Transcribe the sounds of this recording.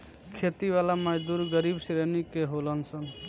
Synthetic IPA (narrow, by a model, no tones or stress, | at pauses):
kʰet̪iʋalaməd͡ʒd̪uɾɡəɾibsɾenikeɦolənsən